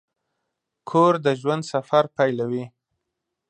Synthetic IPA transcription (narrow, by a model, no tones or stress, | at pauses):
kʰoɾd̪əʒwand̪safaɾpajlawi